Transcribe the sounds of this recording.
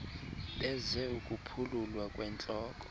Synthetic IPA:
ɓɛzɛukʼupʰululwakʼwɛnt͡ɬʼɔːkʼɔ̥

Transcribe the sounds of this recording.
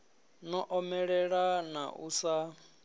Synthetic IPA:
nɔʔɔmɛɺɛɺana̰ʔusa

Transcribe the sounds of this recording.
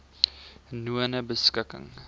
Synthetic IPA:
nuənəbəskəkə̰ŋ

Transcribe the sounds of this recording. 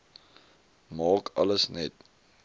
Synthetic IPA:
mɑːkɐ̰ləsnɛt̚

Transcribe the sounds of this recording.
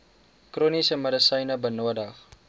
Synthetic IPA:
krunisəmədəsəjnɐbənuədɐχ

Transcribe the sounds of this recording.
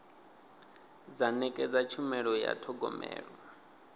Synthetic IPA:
d͡zanɛkʼɛd͡zat͡ʃʰumɛɺɔja̰tʰɔɡɔmɛ̰ːɺɔ

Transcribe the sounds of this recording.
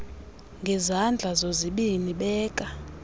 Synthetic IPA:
ŋɡʱɛzand͡ɮʱazoziɓiniɓɛːkʼa

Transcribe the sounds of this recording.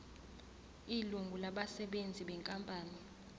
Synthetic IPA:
iluŋɡʱulaɓasɛɓend͡zʱiɓɛŋkʼampʼaːni

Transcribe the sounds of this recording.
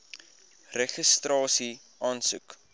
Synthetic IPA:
rɛχəstrɑːsi | ʔɑːnsuk

